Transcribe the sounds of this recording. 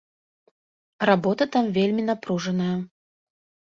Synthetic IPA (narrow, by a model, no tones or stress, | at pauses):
rabɔt̪ɐt̪amvʲelʲmʲinapɾuʐɐnɐjɐ